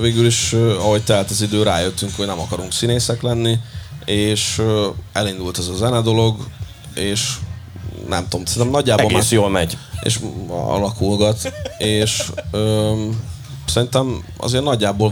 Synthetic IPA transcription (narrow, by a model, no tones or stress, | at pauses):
veːɡyliʃɒɦo̞ɟt̪ɛɦaːt̪ɒzid̪øːɾaːjøt̪ːyŋkho̞ɟnɛmɒkɒɾuŋksineːsɛklɛnːieːʃ | ɛlind̪ult̪ɛzɒzɛnɛd̪o̞lo̞ɡ | eːʃ | nʔɛ̰mt̪omsɛɾiɛmnɒɟːaːbolɡmaːjoːlmɛɟḛːʃɒ̰lɒkulɡɒt̪eːʃøː | sɛɾint̪ɛmɒ̰zeːrnɒɟːaːbol